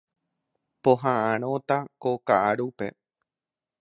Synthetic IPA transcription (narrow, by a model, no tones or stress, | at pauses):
poɦãʔãɾ̃õt̪akokaʔaɾupe̞̰